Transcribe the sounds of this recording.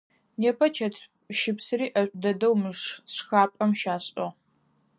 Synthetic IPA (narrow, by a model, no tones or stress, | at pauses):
neːpʰɐt͡ʃʰɐtʰ | ʃɪpsɨriːʔɐɕʷʼdɐdɐwmɨʂsxaːpʼɐmʃaːɕʼɐ